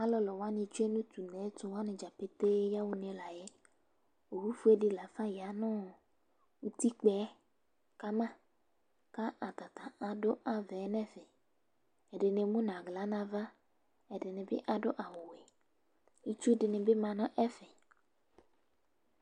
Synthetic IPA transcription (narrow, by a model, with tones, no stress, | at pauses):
a˦lɔ˨lɔ˨wa˦nɪ̃˨t͡ʃu˦e˦nũ˦t̪u˨ne˨˦t̪ʊ˨wa˦nɪ̃˨d͡ʒa˨pe˦t̪e˦ja˦wu˦ne˨la˨je˦ | o˨wu˦fu˦e˦dɪ˦la˨fa˦ja˨nɔ̃˦ | wu˨˦t̪i˦k͡pɛ˨˦ | ka˦mã˦ | ka˦ʔa˨t̪a˨t̪a˨a˨dʊ˦ʔa˨vɛ˨˦nɛ˦fɛ˨ | ɛ˨ɖɪ˨ne˨mũ˦n˨ã˨ɡla˨˦nã˨va˦ | ɛ˨dɪ˨nɪ̃˨bɪ˦ʔa˨do˦ʔa˨wo˨we˨ | i˦t͡ʃu˦dɪ˨nɪ˨bɪ˦mã˨nɔ̃˦ʔɛ˦fɛ˨